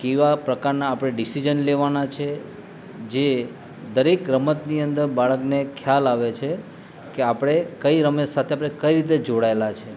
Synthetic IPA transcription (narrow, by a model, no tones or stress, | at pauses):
keʋapɾəkaɾnaːpɽ̃eɖisid͡ʒənleʋanat͡ʃʰe | d͡ʒe | d̪əɾekɾəmət̪niənd̪əɾbaɭəknekʰjalaʋet͡ʃʰe | keapɽ̃ekəiɾəmsat̪ʰeapɽ̃ekəiɾit̪ed͡ʒoɽaelat͡ʃʰe